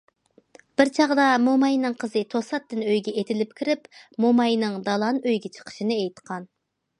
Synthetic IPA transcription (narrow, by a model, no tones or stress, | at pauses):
b̥ɪɾt͡ʃʰɑʁd̪ɑmomɑjnɨŋqʰəzɨt̪ʰosɑt̪ːɪnøjɡʲɛʔet̪ʰɪlɪp̚kʲʰiɾɪpmomɑjnɨŋd̪ɑlˠɑnøjɡʲɛt͡ʃʰə̥qʰə̥ʃinɨejt̪qʰɑn